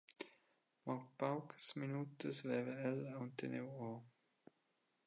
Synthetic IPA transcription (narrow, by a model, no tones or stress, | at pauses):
mapawkə̥sminut̪əsvɛvəɛlaunt̪ənewɔ